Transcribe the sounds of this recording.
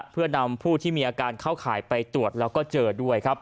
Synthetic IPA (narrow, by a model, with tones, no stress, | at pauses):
pʰɯ˥˩əna˧mpʰuː˥˩t̪ʰiː˥˩miː˧ʔaː˧kaː˧nkʰaː˥˩wkʰaː˩˦jpa˧jt̪ɾu˨˩ət̪̚lɛː˦˥wkɔː˥˩t͡ɕɤː˧du˥˩əjkʰa˦˥p̚